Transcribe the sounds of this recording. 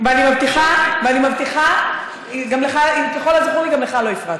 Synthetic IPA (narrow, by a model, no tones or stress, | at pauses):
veanimavt̪iχaveanimavt̪iχa | ɡamleχaikeχo̞laziχuʁiɡamleχalo̞ifʁat